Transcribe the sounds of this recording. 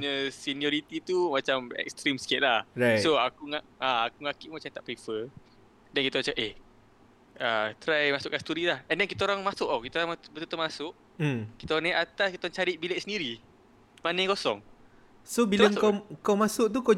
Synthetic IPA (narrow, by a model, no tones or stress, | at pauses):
ɲəsinioɾit̪it̪umat͡ʃamɛ̰k̚st̪ɾimskeʔ̪̚lahɾajsoakuŋa | aakuŋakiʔumat͡ʃamt̪aʔpɾifə | dɛnkit̪aɾat͡ʃaʔeh | ət̪ɾajmasʊʔkanst̪uɾilahɛndɛnkit̪aoɾaŋmasʊʔokit̪aoɾaŋmabət̪ut̪oʔmasʊʔ̩ | kit̪aoɾaŋneʔat̪askit̪oɾaŋt͡ʃaɾiʔ̚bileʔ̚səndiɾi | manəjkosɔŋ | sobilaŋkakawmasʊʔ̚t̪̬uko